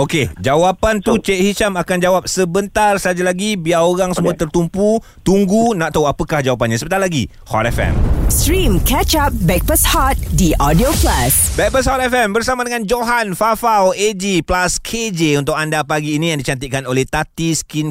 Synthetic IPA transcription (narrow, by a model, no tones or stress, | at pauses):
oked͡ʒawapant̪ut͡ʃeʔhit͡ʃamakand͡ʒawap̚səbənt̪arsad͡ʒalaɡibiaoɾaŋsəmũat̪ərt̪umpu | t̪uŋɡunãʔt̪awapəkahd͡ʒawap̬anɲãsəbət̪alaɡḭ | hɔ̰t̪ɛfɛ̰mstɾĩmkʰɛt͡ʃap̚bɛk̚pəshɔt̪̚diʔɔdioplasbɛk̚pəshɔt̪ɛfɛmbərsamadəŋãnd͡ʒoɦanfafawed͡ʒiplaskʰed͡ʒeunt̪ʊk̚andapaɡiːnĩjaŋdit͡ʃant̪iʔ̚kanolɛht̪at̪iskin